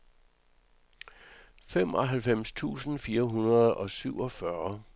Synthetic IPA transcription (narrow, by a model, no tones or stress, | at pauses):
fem̰ɒ̽ɦælfem̰st͡sʰṵːsn̩fiːɐɦunɐð̩ˠɒ̽syʊ̰ɒ̽fɶɐ